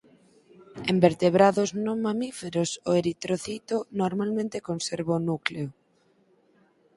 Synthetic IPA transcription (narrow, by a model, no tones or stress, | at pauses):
embeɾt̪eβɾaðʊznoŋmamifeɾosoeɾit̪ɾoθit̪onoɾmalmẽnt̪ekonseɾβaʊnukleʊ